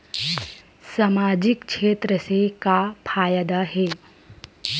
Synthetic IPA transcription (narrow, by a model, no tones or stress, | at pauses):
samaːd͡ʒɪkʃeːt̪ɾəsekapʰaːjəd̪aɦɛː